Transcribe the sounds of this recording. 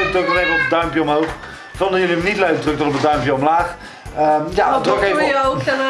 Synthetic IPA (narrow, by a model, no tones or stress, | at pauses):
kədokɔχejvəɔpəd̚œɥmpjəɔmɦowχ | v̥ɔndəjɵliənitləɥk̚drɵk̚dɔnɔp̬ədœɥmpjəɔmlaːχ | əjadrokev